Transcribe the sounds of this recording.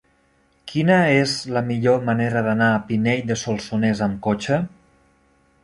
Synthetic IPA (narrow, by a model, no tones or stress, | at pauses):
kʰinəezləmiʎoməneɾəðanaːpineʎd̪əsolˠsunezəmkot͡ʃə